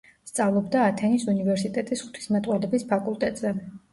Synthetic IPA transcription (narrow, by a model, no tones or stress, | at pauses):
st̪sʼavlˠɔbd̪aːt̪ʰɛnisunivɛɾsit̪ʼɛt̪ʼisχu̥t̪ʰi̥smɛt̪ʼwalɛbispʰakʼulˠt̪ʼɛt̪ʼzɛ